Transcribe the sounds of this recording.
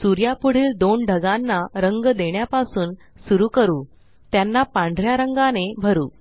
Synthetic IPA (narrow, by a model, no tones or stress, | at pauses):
suɾjapuɽ̤iːld̪oɳɖʱəɡanːaɾəŋɡd̪eɳjapasuːn | suɾuːkəɾuː | t̪janːapãɳɖʱɾjaɾəŋɡanebʱəɾuː